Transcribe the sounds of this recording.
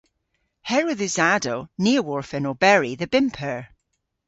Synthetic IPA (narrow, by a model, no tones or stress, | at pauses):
hɛɹoðəzadoniəwɔɹfɛnobɛɹiðəbɪ̃mpʰəɹ